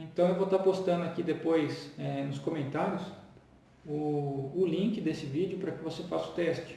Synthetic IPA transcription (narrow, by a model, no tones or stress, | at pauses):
ẽnt̪ɐ̃w̃ewvot̪apost̪ɐ̃nd̪ʊakid̪epojsɛnʊskõmẽnt̪aɾjʊs | ʊːlĩkɪd̪esɪvid͡ʒɪʊpɾɐkɪvosefasʊ̥t̪ɛst͡ʃɪ̥